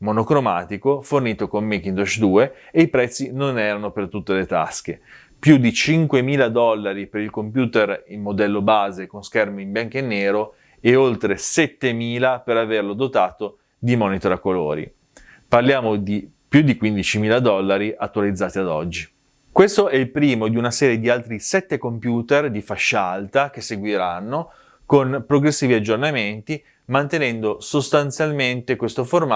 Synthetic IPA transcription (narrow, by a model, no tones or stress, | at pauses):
monokɾomaːt̪ikoforniːt̪okomːek̟ind̪ot͡ʃd̪uːeeipɾɛt̪sːinonɛːɾanopert̪ut̪ːelet̪a̰sk̟e | pjud̪it͡ʃiŋkwemiːlad̪ɔlːaɾipeɾilkompjuːt̪erimːod̪ɛlːobaːzekonskɛrmeimbjaŋkenːeːɾo | eolt̪ɾesɛt̪ːemiːlapeɾaverlod̪ot̪aːt̪o | d̪imɔnit̪oɾakːolo̰ːɾḭ | parljaːmod̪i | pjud̪ːikwind̪it͡ʃimiːlad̪ɔlːaɾiʔat̪ːualid̪zːaːt̪iad̪ɔ̰d͡ʒːi | kwest̪oɛilpɾiːmod̪iunasɛːɾjed̪ialt̪ɾisɛt̪ːekompjuːt̪erd̪ifaʃːaalt̪ak̟esːeɡwiɾanːo | konpɾoɡɾesːiːviad͡ʒːornament̪i | mant̪enɛnd̪osost̪ant̪sjalment̪ekwest̪oforma